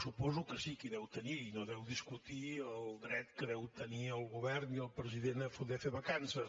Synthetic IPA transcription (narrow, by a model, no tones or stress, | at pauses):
supozukɨsikiðɛwt̪ɐniɾinõd̪ɛwðiʃkut̪iɐwɡɾɛt̪kɾɛwt̪ɐniawɣuβɛɾniawpɾɨziðẽnɐfund̪ɛfeβɐkãnsɐ